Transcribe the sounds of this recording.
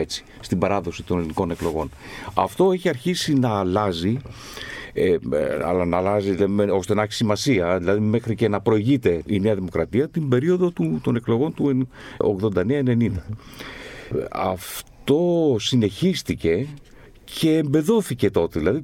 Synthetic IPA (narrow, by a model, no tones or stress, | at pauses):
et͡ssi̥ | st̪ibɐɾɐðo̞sit̪o̞neliniko̞ne̞klo̞ɣo̞̰n | ɐ̰ft̪o̞e̞çiɐɾçisinɐːlɐzi | ɐ̰lɐnɐːlɐziðilɐimeo̞st̪e̞nɐçi̥simɐsiɐðilɐðime̞xɾice̞nɐpɾo̞iʝit̪e̞ine̞ɐðimo̞kɾɐt̪iɐt̪imbe̞ɾio̞ðo̞t̪ut̪o̞ne̞kloɣo̞nt̪ueo̰ɣðo̞nd̪ɐneɐene̞nind̪ɐ | ɐ̰ft̪o̞sine̞çist̪ice̞ | cʰe̞ːmbe̞ðo̞θice̞t̪o̞t̪eðilɐði